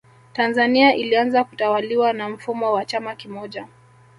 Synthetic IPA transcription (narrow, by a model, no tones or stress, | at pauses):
tanzaniaʔilianzaku̥tawaliwanam̩fumɔwat͡ʃamakimɔʄa